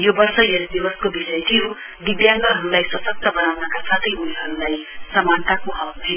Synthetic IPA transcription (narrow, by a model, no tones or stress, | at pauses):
jobʌrsʌjeɾed̪ibʌskobisʌjt̪ʰio | d̪id̪jaŋɡʌɦʌɾulajswʌsʌk̚t̪ʌbʌnawnʌkasat̪ʰʌjuliɦʌɾulajsʌmant̪akoɦʌkt̪ʰin